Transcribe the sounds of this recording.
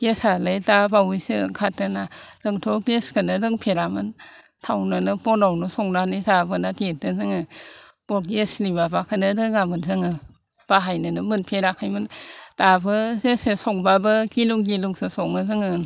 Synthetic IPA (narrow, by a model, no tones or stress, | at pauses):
ɡesalajtabawujsɯkʰatɯnadɯŋtʰɔkeskʰɯnɯdɯŋpʰeɾamɯn | tʰawnɯnɯpɔnawnɯsɔŋnanizabɯnatet̚ɯzɯŋɯb̥ɔt̚ɡeslibabakʰɯnɯdɯŋamɯnzɯŋɯ | b̥aɦajnɯnɯmɯnpʰeɾakʰajmɯntabɯzesesɔŋbabɯkiluŋɡiluŋsɯsɔŋɯzɯŋɯn